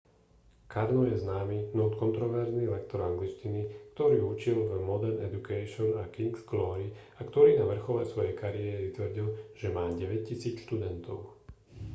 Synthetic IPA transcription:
kʰaɾnɔjɛznaːminɔʊt̪kɔnt̪ɾɔʋɛɾznilɛkt̪ɔɾaŋɡlit͡ʃcinikt̪ɔɾiːut͡ʃilvmɔd̪ɛɾnɛ̰d̪ukɛːʃɔnakiŋɡsɡlɔːɾi | akt̪ɔɾiːnaʋr̩xɔlɛsʋɔjɛjkaɾijɛɾit̪ʋr̩ɟilʒ̥ɛmaːɟɛʋɛc̚cisiːt͡sʃt̪ud̪ɛnt̪ɔʊ

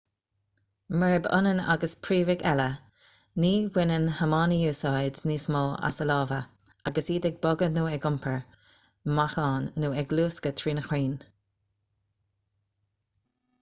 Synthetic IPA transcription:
məɹɪbʊ̰nəna̰ɡəspʰɹiːvɪɡɛlə | niːwɪnənhəmɑːnijuːsajdniːsmoːʔa̰səlɑːvəaɡəsiːdɛɡ̚bɔɡənuːɛɡʊmpʰəɹ | maxɑːnːuːɛɡluːskət̪ʰɹiːnəxwiːn

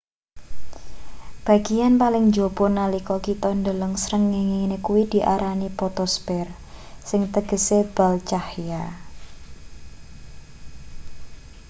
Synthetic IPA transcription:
b̥a̤ɡ̥ijanpalɪŋd͡ʒob̥ɔ̤nalikɔkit̪ɔndələŋsɾəŋːeŋenekuwid̪̥i̤ʔaɾanipɔt̪ɔspɛr | sɪŋt̪əɡ̥əseb̥alt͡ʃahja

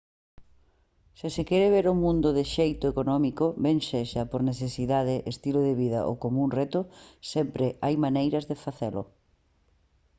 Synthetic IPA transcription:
sɪsɪkɛɾeβ̞eɾʊmũnd̪ʊðɪʃejt̪ʊekonɔmikʊβeŋʃeʃɐpoɾneθesiðaðɪʔest̪iloðeβiðɐ̰ʔo̰komũnret̪ʊsempɾeajmanejɾɐzðefaθelʊ̰

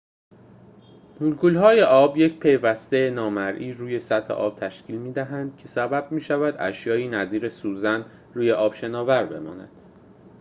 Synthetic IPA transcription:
nulkʰuːlɦɒːje̞ʔɒːbjecʰpʰe̞jvæst̪enɒːmæɾʔiːɾuːje̞sæt̪ʰhḛʔɒ̰ːb̥̚t̪ʰæʃcʰiːlmiːd̪æɦænd̪̥̚cʰe̞sæbæb̚miːʃævæd̪ʔæ̰ʃjɒːiːnæziːɾe̞suːzæn | ruːje̞ʔɒːb̥ʃe̞nɒːvæɾbe̞̰mɒ̰ːnæ̰d̪̥

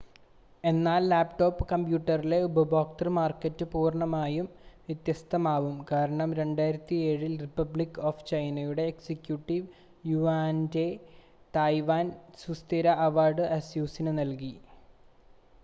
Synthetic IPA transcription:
e̞nːaːlːaːpʈo̞ːpːɨkɐmpjuːʈːɐrile̞ubɐbo̞ːk̚ʈɐrmaːrkːɐtːɨpuːrɳɐmaːjumʋjɐt̪jɐst̪ʰɐmaːʋumkaːɾɐɳɐmɾe̞ɳɖaːjiɾɐt̪ːie̞ːɻilripːɐblikːoft͡ɕɐjnɐjuɽe̞ːksekjuʈːiʋ | juʋaːnde | t̪ajʋaːnsust̪iɾɐʔɐʋaːrɖɨʔɐsjuːsinɨnɐlki

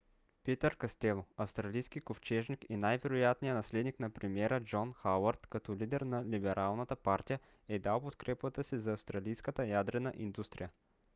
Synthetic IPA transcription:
pit̪əɾkɐst̪ɛlˠoɐfst̪ɾɐlijsk̟ikoft͡ʃɛʒnikinajvɛɾojat̪nijənɐslɛd̪niknɐpɾɛmiɛɾəd͡ʒɔnxawəɾt̪kɐt̪ɔlid̪ɛɾnɐlibɛɾʔalˠnət̪əpaɾt̪ijə | ɛd̪alˠpot̪kɾɛpət̪əsizɐːfst̪ɾɐlijskət̪əjad̪ɾɛnəʔind̪ust̪ɾḭjə

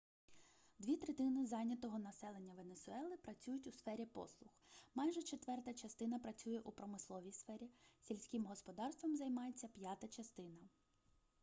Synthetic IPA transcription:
d̪ʋʲit̪ɾet̪ɪnɪzɑnʲɐt̪ɔɦɔnɐsɛlˠenʲːɐʋenesʊɛlˠɪpɾɐt͡sʲujʊtʲʊsfɛɾʲipɔ̰slˠʊxmɑjʒɛt͡ʃet̪ʋɛrt̪ɐt͡ʃɐst̪ɪnɐpɾɐt͡sʲujɛʔupɾɔmɪslˠɔʋʲijsfɛɾʲisʲilʲsʲkʲɪmɦɔspɔd̪ɑrst̪ʋɔmzɐjmɑjet͡sʲːɐpʲjɑt̪ɐt͡ʃɐst̪ɪnɐ

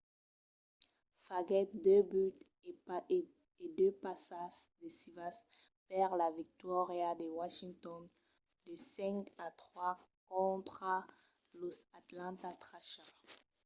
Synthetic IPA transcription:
faɡɛt̪̚d̪øbyt̪ | ed̪øpasaʒd̪əsivas | pɛʁlavik̚t̪wɔʁjad̪əwaʃĩŋt̪ɔn | d̪əsɛ̃kat̪χwakɔ̃t̪χa | losat̪lɑ̃t̪at̪χaʃa

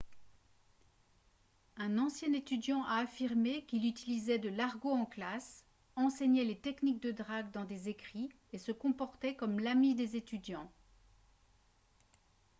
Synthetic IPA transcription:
ɛ̃nɑ̃sjɛ̃net̪yd̪jɑ̃ʔaːfiʁmekilyt̪ilizɛd̪əlaʁɡoɑ̃klas | ɑ̃seɲɛlet̪ɛknik̚d̪əd̪ʁaɡd̪ɑ̃d̪ezekχi | esəkɔ̃pɔʁt̪ɛkɔmlamid̪ezet̪yd̪jɑ̃

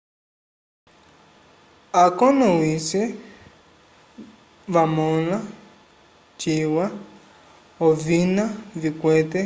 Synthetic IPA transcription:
akɔnɔwisɛ | βamɔla | t͡ʃiwa | ɔvinavikwɛtɛ

